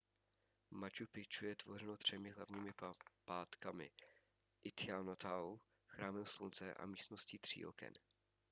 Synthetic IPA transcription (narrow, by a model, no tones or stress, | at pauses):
mat͡ʃupɪt͡ʃujɛt̪vo̞r̝ɛnot̪r̝̥ɛmɪɦla̰vɲiːmɪpaːt̪kamɪ̰ | ʔɪt̪ɪanot̪ʰaw | xɾaːmɛmslunt͡sɛʔa̰miːst̪nosciːt̪r̝̥ḭːʔo̰kɛ̰n